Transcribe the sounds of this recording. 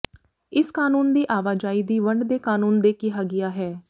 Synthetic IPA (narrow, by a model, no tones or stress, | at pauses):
ɪskaːnuːnd̪iːʔaːʋaːd͡ʒaːiːd̪iːʋəɳɖd̪eːkaːnuːnd̪eːkɪɦaːɡɪjaːɦɛː